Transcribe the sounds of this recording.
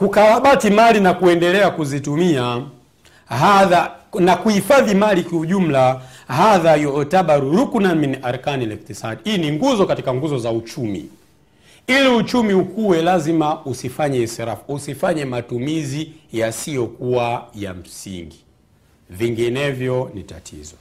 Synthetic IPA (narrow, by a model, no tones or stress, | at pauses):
kukawaɓatimalinakuɛndɛlɛakuzitumia | ɦaðanakuhifaðimalikiuʄum̩la | ɦaðajɔɔtaɓaɾuɾukunaminiʔaɾkanilɛktisaɗihiːniŋɡuzɔkatikaŋɡuzɔzaut͡ʃumḭ | iliut͡ʃumiukuwɛlazimausifaɲɛsɛɾafu̥usifaɲɛmatumizijasijɔkuwaja̰m̩sḭŋɡi | viŋɡinɛvjɔnita̰tʰḭzɔ